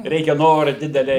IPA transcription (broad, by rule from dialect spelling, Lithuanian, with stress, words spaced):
ˈrʲɛɪkʲɛ ˈnoːrɐ ˈdʲɪdʲɛlʲɛ